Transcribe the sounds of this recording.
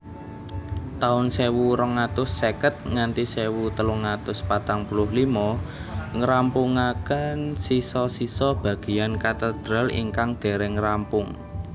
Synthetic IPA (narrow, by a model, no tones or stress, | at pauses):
t̪aʊnsewuɾɔŋat̪ʊsːekət̪̚ŋant̪isewut̪əluŋat̪ʊspat̪aŋpulʊhlimɔ | ŋəɾampuŋakənsisɔsisɔb̥ä̤ɡ̥i̤ankat̪əd̪̥ɾalḭŋkaŋd̪̥e̤ɾɛŋɾampʊŋ